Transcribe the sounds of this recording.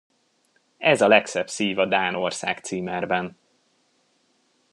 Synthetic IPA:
ɛzɒlɛksɛbsiːvɒd̪aːnorsa̰ːkt̪siːmɛrbɛn

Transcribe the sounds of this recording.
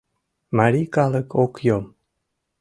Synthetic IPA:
maɾikalˠəkokjom

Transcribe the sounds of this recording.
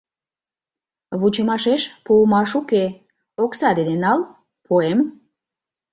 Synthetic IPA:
βut͡ɕəmɑʃeʃpumɑʃuke | oksɑd̪ed̪enɑl | pʰoem

